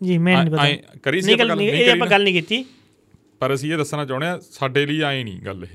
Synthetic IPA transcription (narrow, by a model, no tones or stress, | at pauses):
d͡ʒiːmɛ̃ːnĩːpət̪akəɾiːnĩːɡəlnĩːeːdiːəpãːɡəlnĩːkit̪ːiː | pəɾəsĩːeːd̪əsːaːnãːt͡ʃaːʊɽeːãːsaːɖeːliːaːĩːnḭ̃ːɡə̰l